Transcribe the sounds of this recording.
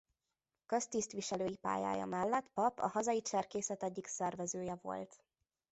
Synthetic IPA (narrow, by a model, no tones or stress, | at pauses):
kø̞st̪ist̪ʋiʃɛløːjipa̰ːja̰ːjɒ̰mɛlːɛt̪pɒpɒ̰hɒzɒjit͡ʃɛrkeːsɛt̪ɛɟːiksɛrvɛzøːjɛvo̞̰lt̪